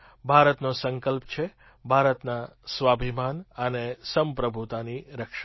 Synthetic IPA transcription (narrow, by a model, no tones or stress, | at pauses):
bʱaɾət̪nosəŋkəlpt͡ʃʰe | bʱaɾət̪nasʋabʱimanənesəmpɾəbʱut̪aniɾəkʃa